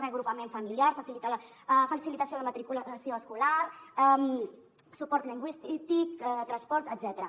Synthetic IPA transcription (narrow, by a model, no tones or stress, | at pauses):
rəɣɾupameɱfəmiliaɾfasilit̪al | fasilit̪asioləmat̪ɾikulasioəskulaɾɛm | supɔɾt̪liŋɡwist̪t̪ik̚ɛt̪ɾanspɔɾt̪əd̪zɛt̪əɾə